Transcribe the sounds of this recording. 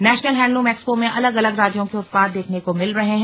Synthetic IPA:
nɛːʃnəlɦɛ̃ːɳɖlũmɛːkspomẽʔɐləɡɐləɡɾaːd͡ʒjõkeʊt̪̚paːd̪̚d̪eːkʰnekomɪlɾɐɦeɦɛ̃

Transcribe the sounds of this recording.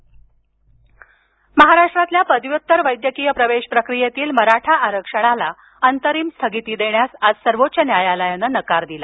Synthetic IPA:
məɦaɾaʂʈɾat̪ljapəd̪ʋjut̪ːəɾʋəjd̪jəkiːjəpɾəʋeɕpɾəkɾijet̪iːlməɾaʈʰaʔaɾəkʂəɽ̃ala | ənt̪əɾiːmst̪ʰəɡit̪iːd̪eɳ̃jasad͡zsəɾʋot̪ːɕənjajaləjənənəkaɾd̪ila

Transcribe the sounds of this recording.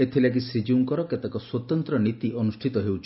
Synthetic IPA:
et̪ʰilak̬isɾid͡ʒuŋkɔɾɔket̪akɔswɔt̪ɔnt̪ɾɔnit̪iʔɔnusʈʰit̪ɔɦewt͡ʃʰ

